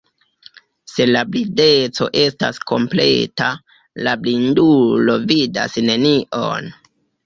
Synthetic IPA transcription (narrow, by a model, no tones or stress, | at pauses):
se̞lablide̞t͡so̞̰ʔe̞sta̰sko̞̰mple̞̰ta | lablindulo̞vida̰sne̞niʔo̞̰n